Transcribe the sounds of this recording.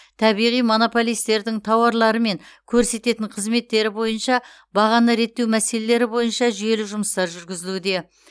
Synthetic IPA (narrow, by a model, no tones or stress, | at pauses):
t̪ʰɑbijʁijmo̞no̞po̞lˠijst̪e̞ɾd̪ɪŋt̪ʰɑwɑɾlˠɑɾəme̞ŋkʲʰɵɾse̞t̪e̞t̪ɪɴqʰəzme̞t̪ːe̞ɾɪbo̞jənʃɑ | bɑʁɑnəɾe̞t̪ːe̞wmæse̞le̞le̞ɾɪbo̞jənʃɑʒʏje̞lɪʒʊməst̪ɑɾʒʏɾɡʲɪzɪlud̪e̞